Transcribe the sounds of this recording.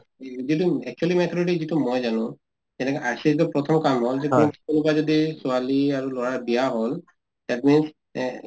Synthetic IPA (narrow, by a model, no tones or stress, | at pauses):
zit̬uɛk̚t͡ʃuɛlimɛt̪ʰɔɹidizitumojzanʊ̃ | tɛnɛkɛʔasɛzitupɹɔt̪ʰɔmkamɦɔlzɛtminskunubazodisualiaɹulɔɹaɹbijaɦol | d̪̥ɛtmins